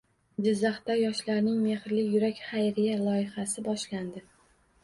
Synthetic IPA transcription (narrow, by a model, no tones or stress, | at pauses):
d͡ʒɪzːaχt̪ajɒʃlaɾnɪŋmehɾlɪjʊɾakʲχajɾɪjalˠɒjɪχasɪbɒʃland̪ɪ